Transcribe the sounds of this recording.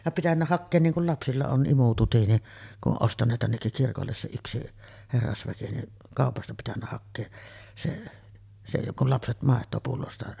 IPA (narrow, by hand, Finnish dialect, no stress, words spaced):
jɑ pitænːæ hɑkːeːn niːŋ kul lɑpsilːɑ on ʔimututi ni kuʔ ʔoʔ ʔostɑnˑeːt tænːekːik kirkolːes se yksi herːɑsʋæki ni kɑˑopɑstɑ pitænːæ hɑkːeːs se se jokˑ ol lɑpset mɑˑetˑoː pulːostɑ